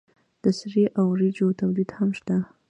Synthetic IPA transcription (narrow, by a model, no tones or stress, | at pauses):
d̪̥əsɾiʔawɾid͡ʒot̪awlid̪hamʃt̪a